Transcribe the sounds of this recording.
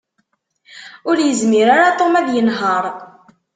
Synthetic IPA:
ʊɾjəzmiɾaɾat̪ˤomæðjənɦəɾˤ

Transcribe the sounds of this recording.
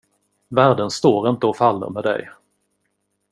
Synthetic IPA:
væːɖənst̪oːɾɪnt̪əɔfalːə̰ɾmeːd̪ɛ̰j

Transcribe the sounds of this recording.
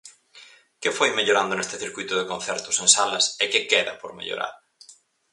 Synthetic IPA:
kɪfojmeʎoɾand̪ʊnest̪ɪθiɾkujt̪ʊðɪkõn̟θɛɾt̪ʊsẽŋsalɐsekɪkeðɐpoɾmḛʎo̰ɾa̰ɾ

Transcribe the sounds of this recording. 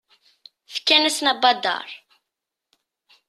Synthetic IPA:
fə̥kːænæsnæbɑd̪ɑ̰ɾˤ

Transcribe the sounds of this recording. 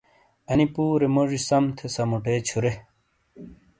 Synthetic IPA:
ɐnipuːɾemoʐisɐmt̪ʰesɐmuʈeːt͡ɕʰuɾe

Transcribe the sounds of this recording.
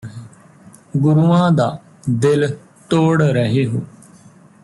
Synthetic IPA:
ɡʊɾuːãːd̪aː | d̪ɪl | t̪oːɽɾəɦeːɦoː

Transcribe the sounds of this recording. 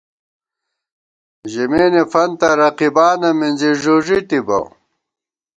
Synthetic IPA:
ʑimeːnefɐnt̪ɐɾɐqibaːnɐminziʐuʐit̪ibɐ̰w

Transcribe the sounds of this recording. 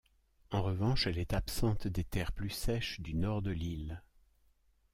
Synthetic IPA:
ɑ̃ʁəvɑ̃ʃɛlɛt̪apsɑ̃t̪d̪et̪ɛʁplysɛʃd̪ynɔʁd̪əlil

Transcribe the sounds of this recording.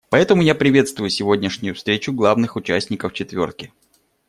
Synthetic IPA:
pɐɛt̪əmʊjapɾʲɪvʲe̞t̪st̪vʊjʊsʲɪvo̞dʲnʲɪʂnʲʊjʊfst̪ɾʲet͡ɕʊɡlˠavnɨxʊt͡ɕæsʲnʲɪkəft͡ɕɪt̪vʲo̞rt̪̚kʲɪ

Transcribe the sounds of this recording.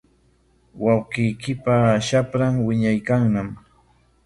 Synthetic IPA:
wawqɪjkɪpaʃapɾamwɪɲajkaŋnam

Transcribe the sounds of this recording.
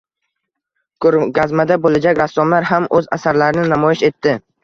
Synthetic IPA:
kʰɾɡazmad̪abolad͡ʒakʲɾasːɒmlaɾɦamɵza̰saɾlaɾɪnɪnamɒjɪʃe̞t̪ʰːɪ

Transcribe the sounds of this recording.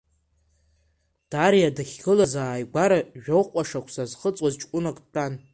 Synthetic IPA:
d̥aɾijadaχʲɡɨlazaːjɡʷaɾaʒᶣowqʷʼaʂakʷʰsazχət͡sʼwazt͡ʃʼkʷʼʊnakʷʼtʰʼan

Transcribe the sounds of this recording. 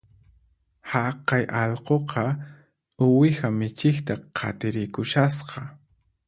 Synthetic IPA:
hɑqɑjʔɑʎqoqʰɑ | ʊwɪxamɪt͡ʃɪkt̪aqʰɑ̰t̪ɪɾɪkʊʃasqɑ

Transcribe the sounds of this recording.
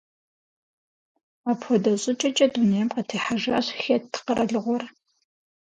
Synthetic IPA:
aːpxʷɔdɐɕʼɪt͡ʃʼɐt͡ʃʼɐdunejɛmqɐtʰeːħaʒa̰ːɕxettʰːɨ̥qəɾɐɮɨʁʷɔr

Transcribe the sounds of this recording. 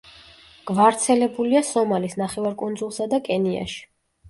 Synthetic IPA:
ɡ̥vaɾt̪sʰɛlɛbuliasɔmalisnaχɛvaɾkʼund̪zulˠsad̪akʼɛnia̰ʃi̥

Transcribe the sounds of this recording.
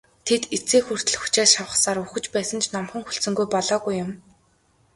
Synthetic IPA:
t̪ʰet̪et͡seːxur̥t̪ɘ̆ɮxu̥t͡ɕaːʃawə̆χsaːɾuxɵ̆t͡ɕpæːsə̆nt͡ɕʰnɔmχə̆ŋxuɬt͡sɵ̆ŋɡujpɔɮɔːɣujːʊm

